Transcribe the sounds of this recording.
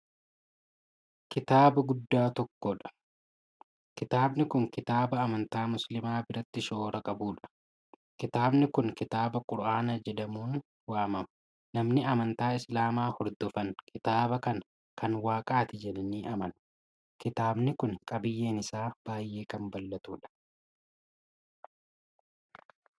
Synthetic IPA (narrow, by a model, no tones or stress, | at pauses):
kɪt̪aːbɐɡʊd̪ːaːt̪ɔkːɔᶑɐ̥ | kɪt̪aːbnɪkʊŋkɪt̪aːbɐːmɐnt̪aːmʊslɪmaːbɪɾɐt̪ːɪʃo̞ːɾɐkʼɐbuːᶑɐ̥ | kɪt̪aːbnɪkʊŋkɪt̪aːbɐkʼʊɾʔaːnɐd͡ʒɛd̪ɐmuːn | waːmɐmɐ̥ | nɐmnɪɐmɐnt̪aːɪslaːmaːhɔɾd̪ɔfɐnkʰɪt̪aːbɐkɐn | kɐnwaːkʼaːt̪ɪd͡ʒɛlɪniːʔɐmɐn | kɪt̪aːbnɪkʊŋkʼɐbɪjːe̞ːnɪsaːb̥aːjːe̞ːkɐmbɐlːɐt̪uːᶑɐ̥